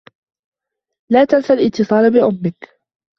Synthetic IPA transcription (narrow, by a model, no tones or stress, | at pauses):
laːt̪alsalʔɪt̪ːɨsˤɑːlbɪʔʊmːɪk